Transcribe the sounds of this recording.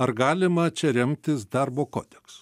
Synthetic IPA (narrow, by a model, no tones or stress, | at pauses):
ɐɾɡɑːlʲɪmɐt͡ʃʲɛɾʲɛmʲt̪ʲɪsd̪ɐɾboːko̰ːd̪ʲɛksʊ̥